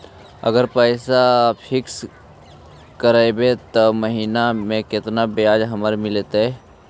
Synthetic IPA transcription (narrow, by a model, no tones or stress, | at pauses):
ə̰ɡəɾpəɪsapʰɪks | kəɾaebet̪oməɦiːnamẽkɪt̪nabeaːd͡ʒɦɐməɾmɪlet̪ɛ